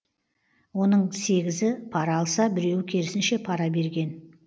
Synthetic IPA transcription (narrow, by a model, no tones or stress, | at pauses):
wo̞nəɴse̞ɡʲɪzɪpʰɑɾɑːlˠsɑbɪɾe̞wɪkʲʰe̞ɾɪsɪnʃe̞pʰɑɾɑbe̞ɾɡʲe̞n